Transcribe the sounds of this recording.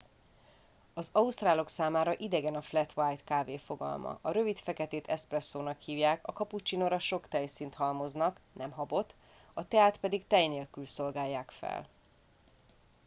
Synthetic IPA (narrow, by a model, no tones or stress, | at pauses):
ɒzɒust̪raːlo̞ksaːmaːɾɒʔid̪ɛɡɛnɒflɛt̪ʋajt̪kaːveːfo̞ɡɒ̰lmɒ̰ʔɒɾø̞vit̪fɛkɛt̪eːt̪ʰɛsprɛsːoːnɒkhiːvjaːkɒkɒput͡ʃinoɾɒʃo̞kt̪ɛjsint̪ɦɒlmo̞znɒknɛmɦɒbo̞t̪ | ɒt̪ɛaːt̪pɛd̪ikt̪ɛjneːlkylso̞lɡaːjːaːkfɛ̰l